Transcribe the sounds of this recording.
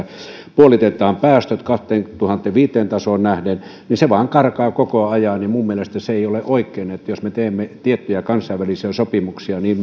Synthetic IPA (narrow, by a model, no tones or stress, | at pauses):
puolit̪et̪ˑɑːmpæːst̪øt̪kɑht̪ˑeːnt̪uhɑnt̪ːˑeʋʋiːt̪ːˑeːnt̪ɑsoːnnæhdenniseʋɑːŋkɑrkɑːkokoɑjɑnnimumːielest̪æseeˑioleʔoikːˑeːnet̪ːjosmet̪eːmːet̪iet̪ːyjækɑnsˑɑiʋælisiæsopimuksiɑniːm